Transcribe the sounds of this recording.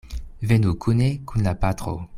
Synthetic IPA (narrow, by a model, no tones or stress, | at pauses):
vɛnukʰunekũnapat̪χo̰